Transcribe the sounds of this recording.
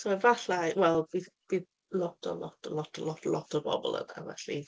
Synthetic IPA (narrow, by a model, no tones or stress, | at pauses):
soɛvaɬawɛlˠbiðb̥ið | lɔtʰəlɔ̰tʰəlɔtʰəlɔtəlɔtʰəbɔ̰bɔ̰lˠə̰na̰vɛɬḭ